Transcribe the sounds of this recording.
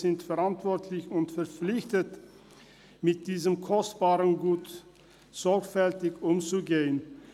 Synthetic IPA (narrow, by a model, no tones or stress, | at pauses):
ɪntfɛʁantv̥ɔɐtʰlɪçʊntfɛɐp͡flɪçtət | mɪt̚d̥iːzəmkʰɔstb̥aːʁənɡuːt | z̥ɔɐkfɛltɪçʊmt͡suɡeːən